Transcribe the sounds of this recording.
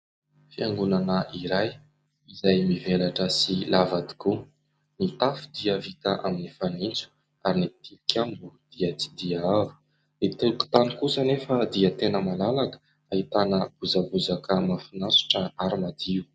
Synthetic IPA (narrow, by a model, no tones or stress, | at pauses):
fiaŋɡunanəʔiɾaj | izajmivelaʈ͡ʂəsilavad̪i̥ku | nit̪afud̪iəvit̪aʔaminifanint͡su̥ | aɾinit̪ilukʲʰambud̪̥iət͡si̥d̪iavu̥ | nit̪uku̥t̪anikusənefəd̪iət̪enəmalalakə̥ | ait̪anəb̥uzabuzakəmafinasu̥ʈ͡ʂəaɾimad̪̥iu